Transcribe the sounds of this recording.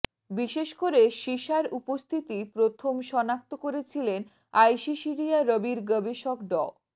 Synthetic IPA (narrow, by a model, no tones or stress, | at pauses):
biʃeʃkoɾeʃiʃaɾupost̪ʰit̪ipɾot̪ʰomʃɔnak̚t̪okoɾet͡ɕʰilen | ajʃiʃiɾiaɾəbiɾɡəbeʃokɖɔ